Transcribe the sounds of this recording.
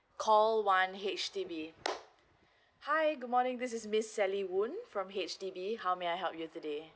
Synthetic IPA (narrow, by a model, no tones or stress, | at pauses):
kʰɔlwãnɦet͡ʃtibi | haɪɡʊd̚mɔnɪ̃ŋd̪ɪs̬ɪsmɪsːɛliwũnfɹɔ̃mɦet͡ʃtibihaʊmeaɪɦɛlˠpjutude